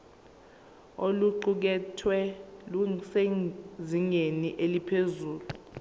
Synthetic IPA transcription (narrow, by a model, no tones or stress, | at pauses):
oluǃuk̬ɛtʰwɛluseziŋeniʔelipʰezuːlu